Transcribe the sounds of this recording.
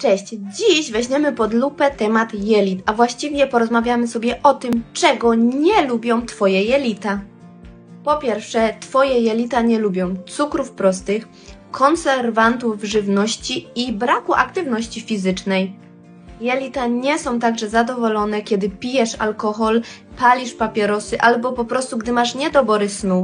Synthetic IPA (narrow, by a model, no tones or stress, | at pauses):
t͡ʂɛɕt͡ɕd͡ʑiʑvɛʑmɛmɘpɔd̪lupɛt̪ɛmat̪jɛlʲit̪avwaɕt͡ɕivʲjɛpɔɾɔzmavʲjamɘsɔbʲjɛʔɔt̪ɘmt͡ʂɛɡɔɲɛlubʲjɔ̃w̃t̪fɔjɛjɛlʲit̪a | pɔpʲjɛɾfʂɛt̪fɔjɛjɛlʲit̪aɲɛlubʲjɔ̃w̃t̪sukɾufpɾɔst̪ɘx | kʰɔnsɛɾvant̪uvːʐɘvnɔɕt͡ɕiibɾakuʔa̰kt̪ɘvn̪ɔɕt͡ɕifʲizɘt͡ʂnɛj | jɛlʲit̪aɲɛsɔ̃w̃t̪aɡʐɛzad̪ɔvɔlɔnɛkʲɛd̪ɘpʲijɛʂa̰lkɔxɔl | palʲiʂpapʲjɛɾɔsɘʔalbɔpɔpɾɔst̪uɡd̪ɘmaʂɲɛd̪ɔbɔɾɘsnu